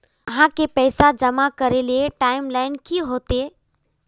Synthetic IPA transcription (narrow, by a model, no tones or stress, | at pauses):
ɐɦãkepɛːsad͡ʒɐmakɐɾelieʈaːɪmlaːɪnkiɦoːt̪eː